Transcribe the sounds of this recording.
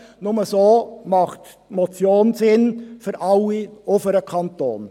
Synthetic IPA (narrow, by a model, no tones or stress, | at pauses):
nʊməsoːmɑχt | mɔt͡sjoːnsɪnfʏɾʔɑlːiofəɾəkʰɑnto̰ːn